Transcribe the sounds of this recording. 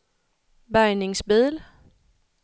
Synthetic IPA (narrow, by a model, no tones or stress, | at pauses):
bɑɪneŋsbeðˠl